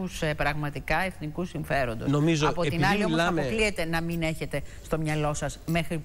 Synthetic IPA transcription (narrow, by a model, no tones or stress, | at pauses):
usepɾɐɣmɐt̪ikɐe̞θnikusiɱfe̞ɾo̞nd̪o̞̰snomizoɐpo̞t̪inɐlio̞osɐoklie̞t̪e̞nɐmine̞çe̞t̪e̞st̪o̞mɲɐlo̞sɐsme̞xɾi